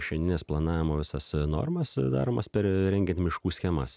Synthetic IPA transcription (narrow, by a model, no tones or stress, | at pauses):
ʃʲɛnd̪ʲɪnʲeːsplˠɐnɑːʋʲɪmoːʋʲɪsɐsno̰ːɾmɐsd̪ɑ̰ːɾoːmɐspʲɛɾɾʲɛŋʲɡʲɛnt̪ʲmʲɪʃkuːsʲxʲɛmɐ̰s